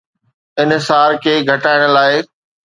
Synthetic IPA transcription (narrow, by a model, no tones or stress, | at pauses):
ɪnɦsaːɾkʰeːɡʱɐʈaːɪɽ̃̆laːɪ